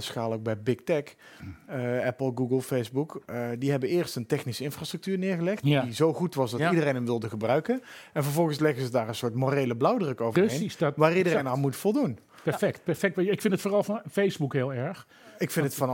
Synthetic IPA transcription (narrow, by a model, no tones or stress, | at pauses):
əsxaːləowk̚bɛjbɪk̚tɛk | ɛpəl̩ˠɡuɡəlˠfejzbukdiɦɛbəɪːɹstəntɛxnisəɪnfraːstr̥ək̚tyːɹnɪːɹɣəlɛxtdizowχutʋɑsdɑtidərejnəmʋɪlˠdəɣəbrœɥkən | ɛnvəɹvɔlˠɣənslɛɣənzədaːrə̃nsʊːɹtmorejləblawdrɵkowvəɦejnsʋaːridərejnalˠmutəfɔlˠdun | pɛfɛkt̚pɛɹfɛk̚tʋɪkfɪntətfoːrɑlˠvɑnfejzbukɦɪːlˠɛɹx | ɪkfɪ̃ntətfɑn